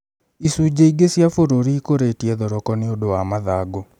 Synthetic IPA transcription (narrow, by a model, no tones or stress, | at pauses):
isud͡ʒeiɡesjafoɾoɾiːkoɾetiɛðɔɾɔkɔneodowamaðaːɡo